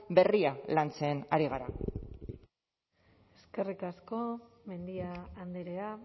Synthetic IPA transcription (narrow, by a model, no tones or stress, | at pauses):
be̞rialant͡seːnaɾiɣ̞aɾa | e̞ske̞rikasko̞ | me̞nd̪iaːnd̪eɾea